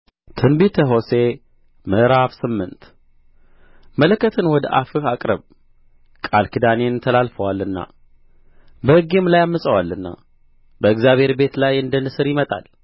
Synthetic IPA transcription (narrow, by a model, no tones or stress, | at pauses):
t̪ʰɨnbit̪ʰəɦo̞se̞ | mɨʔɾaβsɨmːɨnt̪ | mələkːət̪ʰɨnwɔd̪ə̰ʔafɨhakʼɾəβ | kʼalkʰɨd̪ane̞nt̪ʰəlalfəwalːɨnːa̰ | bəhɨɡemlajamːəsʼəwalːɨnːa̰ | bəɨɡzjaβhe̞ɾbe̞t̪lajɨnd̪ənːɨsɨɾjɪmət̪ʼa̰l